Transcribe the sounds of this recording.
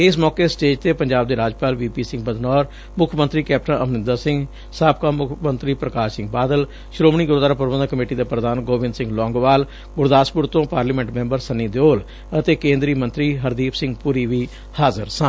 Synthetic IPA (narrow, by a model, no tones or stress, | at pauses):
ɪsmɔːkeːsʈeːd͡ʒt̪eːpəɲd͡ʒaːb̚d̪eːɾaːd͡ʒpaːlʋiːpiːsɪ̃ŋɡ̚pəd̪nɔːɾ | mʊkʰːmənt̪ɾiːkɛːp̚ʈənʔə̰mnɪ̃nd̪əsɪ̃ŋɡ | saːpʰkaːmʊkʰmənt̪ɾiːpɾəkaːʃsɪ̃ŋɡ̚baːd̪əl | ʃɾoːmɳ̃iːɡʊɾd̪aɾaːpəɾʋə̃d̪aːkəmeːʈiːd̪aːpɾəd̪aːnɡoːʋɪ̃nd̪sɪ̃ŋɡlɔ̃ːŋɡʋaːl | ɡʊɾd̪aːspʊɾt̪õːpaːɾliːmɛ̃ɳʈmẽːmbəɾsəniːd̪oːl | ət̪eːkẽːnd̪ɾiːmənt̪ɾiːɦəɾd̪iːpʰsɪ̃ŋɡpuɾiːʋiː | haːzə̰ɾsãː